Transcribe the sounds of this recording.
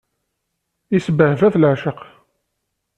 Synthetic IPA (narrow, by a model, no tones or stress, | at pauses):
isəbəhvæθlʕʃəq